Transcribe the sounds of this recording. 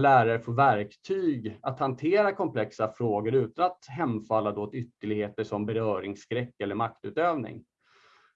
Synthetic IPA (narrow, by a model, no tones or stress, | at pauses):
læːɾaɾəfoːvæɾkt̪ʰyːɡat̪hant̪ʰeːɾakʰɔmpʰlɛksafɾoːɡəɾʉ̟ːt̪anat̪ɦɛmːfalːad̪ɔot̪ʏt̪ːəɭɪɡheːt̪əʂɔmbɛɾœːɾɪŋsːkɾɛkːɛlːəɾmak̚t̪ʉ̟ːt̪øːvnɪ̰ŋ